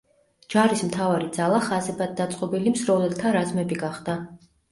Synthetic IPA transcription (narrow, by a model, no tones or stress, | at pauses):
d͡ʒaɾismt̪ʰavaɾid̪zalˠaχazɛbad̪̚d̪ːat̪sʼqʼɔbilimzɾɔlɛlˠt̪ʰaɾazmɛbiɡaχd̪a